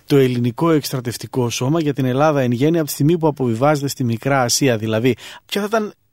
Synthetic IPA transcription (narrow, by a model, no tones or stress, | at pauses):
t̪o̞e̞liniko̞e̞kst̪ɾɐt̪e̞ft̪iko̞so̞mɐʝɐt̪ine̞lɐðɐe̞nʝe̞niɐpot̪ist̪iɣmipuɐpo̞vivɐze̞t̪e̞st̪imikɾɐːsiɐðilɐðipçɐθt̪ɐn